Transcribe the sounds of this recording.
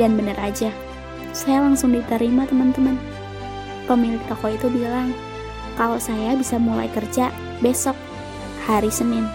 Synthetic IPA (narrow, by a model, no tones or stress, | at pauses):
danbənərad͡ʒa | sajalaŋsʊŋdit̪əɾimat̪əmənt̪əmən | pəmilɪk̚t̪okoit̪ubilaŋ | kalosajabisamula̰jkərd͡ʒa | besɔk̚ | haɾisənɪn